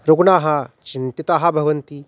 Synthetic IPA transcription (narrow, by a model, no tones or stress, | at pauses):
ɾoɡɳaːɦɐt͡ʃint̪it̪aːɦɐbʱɐʋɐnt̪i